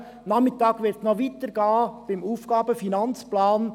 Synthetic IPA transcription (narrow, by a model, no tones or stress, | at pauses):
nɑmɪtɑːɡ̥ʋɪɾtnɔʋit̪əɾɡ̥ɑːb̥ɪmuːfɡ̥ɑːb̥əfinɑnt͡splɑːn